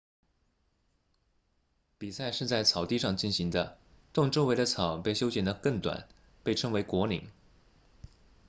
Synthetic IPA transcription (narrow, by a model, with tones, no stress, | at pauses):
pi˨˩sa˥˧ɪʂɻ̩˥˧t͡sa˥˩ɪt͡sʰɑ˨˩ʊt̪i˥˧ʂɑ˥˧ŋt͡ɕi˥˩nɕi˧˥ŋd̪ə˧ | t̪ʊ˥˩˧ŋʈ͡ʂo˥ʊwe˧˥ɪd̪ə˧t͡sʰɑ˨˩˦ʊpe˥˩ɪɕjo˥ʊt͡ɕjɛ˨˩nd̪ə˦kɤ˥˩ŋt̪wa̰˨˩˦n | pe˥˩ɪʈ͡ʂʰɤ˥ŋwe˧˥ɪkwɔ˧˥lḭ˧˥˦ŋ